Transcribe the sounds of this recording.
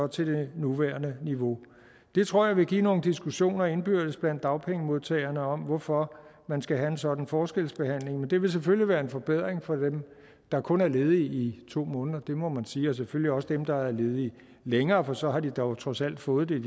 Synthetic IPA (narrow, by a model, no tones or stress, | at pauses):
ɒ̽t͡sʰe̝d̥e̝nuʋæːɐnəniʋo̝ | d̥e̝t͡sʰʁo̝ɐ̰jɑ̈ʋe̝ɡ̥ḭːno̝ːn̩d̥isɡ̥uɕo̝̰ːnɐe̝nb̥yɐ̰d̥əsb̥læn̰d̥ːɑ̈ʊpʰeŋəmo̝ðˠt͡sʰɛ̰ːɪɐnəɒ̽mʋɒfɒ̽mænsɡ̥æɦæe̝nsɒ̽d̥n̩fɒːsɡ̥el̰sb̥e̝hæn̰le̝ŋmend̥e̝ʋe̝ls̬eføljiʋæːɐe̝nfɒ̽b̥eð̞̰ˠʁeŋfɒ̽d̥em | d̥ɑ̈kʰɔ̽næɐle̝ːð̞̩ˠiːt͡sʰo̝̰ːmɔ̽ːnð̞ˠɐd̥e̝mɒ̽mænsiːɒ̽s̬eføl̰liɒ̽səd̥emd̥ɑ̈ææɐle̝ːð̞̩ˠi | leŋɐːfɒ̽sɒ̽ɦɑ̈d̥id̥ɒʊt͡sʰʁɒ̽sæl̰d̥fɔ̽ːð̞̩ˠd̥e